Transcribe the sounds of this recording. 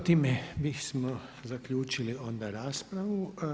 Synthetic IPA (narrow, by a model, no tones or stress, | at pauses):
t̪iːmɛbismo | zakʎuːt͡ʃiliond̪aɾaːspɾaʋu